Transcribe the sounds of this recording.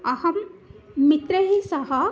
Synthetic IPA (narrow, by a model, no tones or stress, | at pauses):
ɐhɐmː | it̪ɾɐɦisɐɦɐ